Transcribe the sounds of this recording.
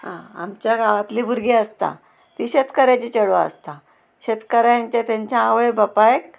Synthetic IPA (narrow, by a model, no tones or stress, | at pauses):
ɦã̰a̰mt͡ɕjaɡaʋat̪libʱuɾɡeəst̪a̰ | t̪iɕet̪kəɾat͡ɕit͡ɕəɽaə̰st̪a | ɕet̪kəɾajaɲt͡ɕat̪jãɲt͡ɕjãːʋəjbəpajek